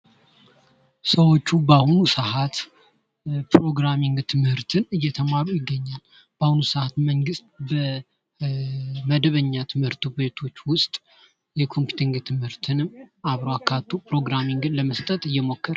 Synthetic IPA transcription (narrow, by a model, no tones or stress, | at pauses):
səwo̞t͡ʃːubahunusəhat̪ | pɾo̞ɡɾamiŋɡt̪ʰɨmhɨɾt̪ʰɨnɨjːɛt̪ʰəmaɾujɪɡːəɲːal | b̥ahunusəhat̪məŋɡɨst̪bə | məd̪əβəɲːat̪ʰɨmhɨɾt̪ʰube̞t̪ʰo̞t͡ʃːwʊst̪ʼ | jɛkʰo̞mpju̥t̪ʰiŋɡt̪ʰɨmhɨɾt̪ʰɨnɨmaβɾoakʰat̪ʰːupɾo̞ɡɾamiŋɡɨnləməst̪ʼət̪ʼɨjːɛmo̞kːəɾ